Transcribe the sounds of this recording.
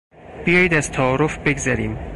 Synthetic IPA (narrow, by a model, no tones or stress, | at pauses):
b̥ijɒːjid̪æz̥t̪ʰæːɾofbeɡzæɾiːm